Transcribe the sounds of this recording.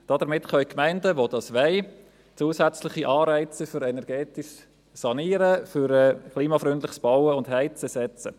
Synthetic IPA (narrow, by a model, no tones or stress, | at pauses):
d̥ɑd̥əmɪtχœʏkmæɪndəʋod̥ɑsʋɛɪ | t͡suːəsæt͡slɪχiʔɑːɾæɪt͡səfʏɾɛnɛɾɡ̥ɛːtiʃ | sɑniːɾəfʏɾɛkʰliːmɑfɾʏndlɪχsb̥ɑʊəʊndɦæɪt͡səsɛt͡sə